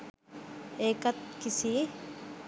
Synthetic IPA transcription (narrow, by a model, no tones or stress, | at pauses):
eːkɐt̪̚kisi